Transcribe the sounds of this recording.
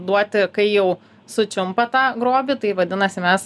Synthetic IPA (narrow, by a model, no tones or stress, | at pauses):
d̪uɔt̪ʲɪkɐɪjɛʊ | sʊt͡ʃʲʊmpɐt̪ɑːɡɾoːbʲit̪ɐɪʋɐd̪ʲɪnɐsʲɪmʲɛs